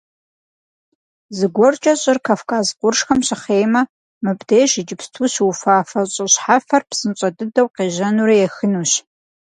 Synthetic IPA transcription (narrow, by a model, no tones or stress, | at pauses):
zɨɡʷɔrt͡ʃʼɐɕʼɪrkʰaːfkʰaːzqʷʊrʂxɐmɕɪχeːjmɐ | mɨpdejʃɪd͡ʒɪpstʰuːɕwufaːfɐɕʼɐɕħafɐrpsɨnɕʼɐdɨdɐwqeːʒɐnuɾijɛxɨnuːɕ